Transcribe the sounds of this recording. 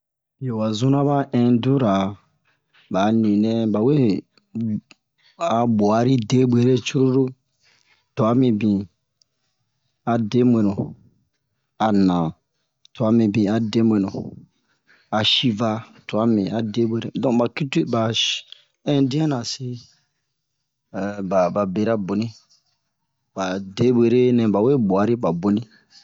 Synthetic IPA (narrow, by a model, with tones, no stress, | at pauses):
bi˨o˨wa˨zũ˦nã˦ba˦ɛ̃˨du˦ɾa˨ | ba˨nĩ˨nɛ̃˦ba˨we˦˨ | a˨bɔ˨a˨˦ɾi˦de˦be˨˦ɾe˦t͡ʃu˦ɾo˦ɾo˦ | tɔ˨a˦mĩ˨bĩ˨ | a˨de˦mʷẽ˨nũ˨ | a˨nã˨ | tɔ˨a˦mĩ˨bĩ˨a˨de˦mwẽ˨nũ˨ | a˨ʃi˦va˦tɔ˨a˦mĩ˨a˨de˦bʷwe˨˦ɾe˦dɔ̃˨ba˨ki˦ti˦ba˨ | ɛ̃˦dĩ˦ã˦nã˨si˦ | ɛ˨ba˨ba˨be˨ɾa˦bo˨nĩ˦ | ba˨de˦bʷe˨ɾe˦nɛ̃˨ba˨we˦˨bo˨a˨˦ɾi˦ba˨bo˨nĩ˦